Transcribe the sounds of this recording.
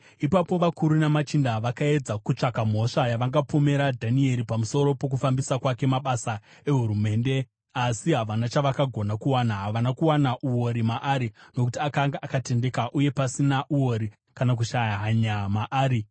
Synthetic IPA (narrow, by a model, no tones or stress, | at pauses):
ipapo̞ʋakuɾunamat͡ʃindaʋakae̞d͡zakut͡ʂakam̤o̞ʂajaʋaŋɡapome̞ɾadʱanie̞ɾipamuso̞ɾo̞po̞k̬ufambisakwake̞maɓasa | e̞ɦuɾume̞ːnde̞ | asiɦaʋanat͡ʃaʋakaɡʱo̞nakuwanaɦaʋanakuwanaʔuwo̞ɾimaʔaɾino̞kutiakaŋɡaʔakate̞nde̞kaʔuje̞pasinaʔuwo̞ɾi | kanak̬uʃajaɦaɲamaʔaːɾi